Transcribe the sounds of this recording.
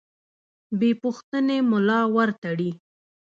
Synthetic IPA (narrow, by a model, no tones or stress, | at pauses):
bepʊxt̪ənemʊlɑwaɾt̪aɽi